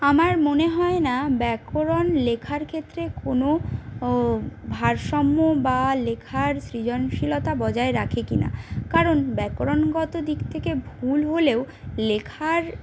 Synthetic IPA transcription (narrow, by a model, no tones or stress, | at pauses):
amaɾmoneɦɔenabɛkoɾonlekʰaɾkʰet̪ːɾekono | bʱaɾʃɔmːobalekʰaɾsɾid͡ʑonʃilot̪abɔd͡ʑaeɾakʰekina̰kaɾonbɛkoɾonɡɔt̪od̪ikt̪ʰekebʱulɦoleo | lekʰaɾ